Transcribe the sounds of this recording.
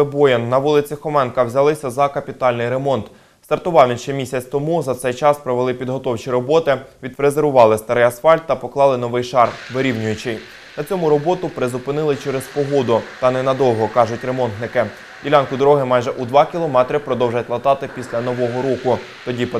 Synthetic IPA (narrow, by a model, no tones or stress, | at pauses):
ɪbɔjɐnːɐʋulˠɪt͡sʲixɔmɛnkɐwzʲɐlˠɪsʲɐzɐkɐpʲit̪ɑlʲnɪjɾemɔnt̪ | st̪ɐrt̪ʊʋɑʋnʲɪʃt͡ʃɛmʲisʲɐt͡sʲt̪ɔmuzɐt̪sɛjt͡ʃɑspɾɔʋelˠɪpʲid̪ɦɔt̪ɔwt͡ʃiɾɔbɔt̪ɪʋʲid̪̚pɾezeɾʋʊʋɑlˠɪst̪ɐɾɪjɐsfɑlʲt̪ːɐpɔklˠɑlˠɪnɔʋɪjʃɑrʋɪɾʲiwnʲʊjʊt͡ʃɪj | nɐt͡sʲɔmʊɾɔbɔt̪ʊpɾɪzʊpɪnɪlˠɪt͡ʃɛɾɛzpɔɦɔd̪ʊt̪ɐnɛnɐd̪ɔwɦɔkɑʒʊtʲɾe̞mɔnt̪nɪkɪ | dʲilʲɑnkʊd̪ɔɾɔɦɪmɑjʒɛʔud̪ʋɑkʲilˠɔmɛt̪ɾʲɪpɾɔd̪ɔwʒɐtʲlˠɐt̪ɑt̪ɪpʲisʲlʲɐnɔʋɔɦɔɾɔkʊ | t̪ɔdʲip